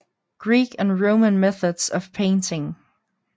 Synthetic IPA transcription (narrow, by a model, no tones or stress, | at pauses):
ɡ̥ɹikɨ̃nɹõʊ̃mə̃nmɛθɨdz̥ʌv̥pʰẽɪ̃ntʰɪ̃ŋ